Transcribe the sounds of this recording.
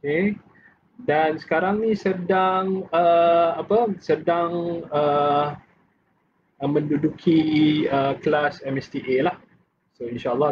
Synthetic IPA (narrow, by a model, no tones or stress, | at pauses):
ke | dansə̥kaɾaŋnĩsədaŋəapəsədaŋə | mə̃ndudukʰiəklasɛmɛst̪iʔelah | soinʃaəlːɑ